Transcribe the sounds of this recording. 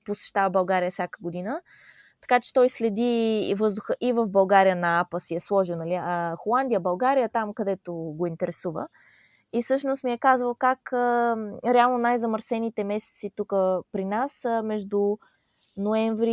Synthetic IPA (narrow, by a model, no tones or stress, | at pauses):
posɛ̥ʃt̪avəbɐlˠɡaɾijəfsʲakə̥ɡod̪inə | t̪ɐ̥kat͡ʃɛ̥t̪ɔjslɛd̪ivɤzd̪ʊxəʔivəvbɐlˠɡaɾijənɐapəsiɛslˠɔʒiwˠnɐlixolˠand̪ijəbɐlˠɡaɾijət̪amkɐd̪ɛt̪oɡoint̪ɛɾɛsuvə̰ | ifsɤʃnost̪miɛkazvəlˠkakəɾɛalˠnonajzɐməɾsɛnit̪ɛmɛsɛ̥t̪sit̪ukəpɾinasmɛʒd̪u | noɛɱvɾi